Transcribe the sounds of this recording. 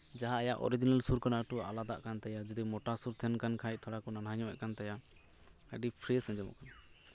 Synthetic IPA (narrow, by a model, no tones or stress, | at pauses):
d͡ʒaɦaːjaʔɔ̰ɾid͡ʒinalsuɾkanaʈualad̪a̰ʔkant̪ɛjad͡ʒɔd̪imɔʈasuɾt̪ʰɛnkankʰajc̚t̪ʰɔɽakɔnanaɲɔ̃ɛ̰ʔkant̪aja | ə̰ɖipʰɾisɛ̃ɲd͡ʒɔmɔ̰ʔkan